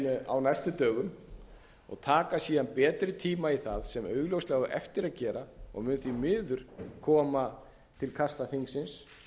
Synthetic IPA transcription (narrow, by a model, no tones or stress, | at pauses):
nʏa̰wnajst̪ʏt̪œːɣʏm | ɔ̰ɣt̪ʰaːkasiːðanpɛːt̪ɾɪt̪ʰiːmaiθaðsɛmœːɥɣlowslɛɣʏʔɛ̰ft̪ɪɾaðcɛːɾaɔ̰ɣmʏnθimɪːðʏɾ̥kʰɔːma | t̪ʰɪlkʰast̪aθiŋksɪns